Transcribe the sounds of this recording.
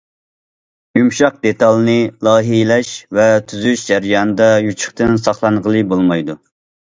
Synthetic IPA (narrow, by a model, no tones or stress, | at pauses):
jumʃɑq̚d̪et̪ɑlˠnɨlˠɑːɦilɛʃvɛt̪ʰyzyyʃd͡ʒæɾijɑːnɨd̪ɑjut͡ʃʰə̥χt̪ɨnsɑχlˠɑnʁəlˠɨbolˠmɑjd̪u